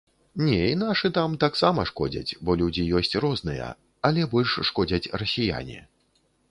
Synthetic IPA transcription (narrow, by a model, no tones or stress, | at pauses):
nʲɛinaʂɨt̪amt̪aksamɐʂkɔd͡zʲɐ̰t͡sʲbɔlʲud͡zʲijɔsʲt͡sʲrɔznɨjɐ̰ | ɐlʲɛbɔlʲʂːkɔd͡zʲɐt͡sʲrɐsʲija̰nʲḭ